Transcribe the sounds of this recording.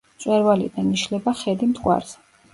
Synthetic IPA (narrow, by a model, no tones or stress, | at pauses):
t̪sʼwɛɾvalḭd̪aniʃlɛbaχɛd̪imt̪ʰʼqʼwa̰ɾz̥ɛ